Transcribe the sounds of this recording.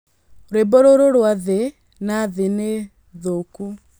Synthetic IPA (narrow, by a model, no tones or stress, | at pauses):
ɾebɔɾoɾoɾwaðe | naðene | ðoku